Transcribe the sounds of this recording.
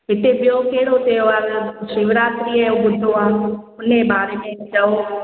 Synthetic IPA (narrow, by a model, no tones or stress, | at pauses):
ɦɪt̪eɓɪjokeɦɪɽot̪eːoʋaːɾʃɪʋɾaːt̪ɾiəjõɡʊd̪ʱoãːʊnebaːɾeːmẽt͡ʃɐo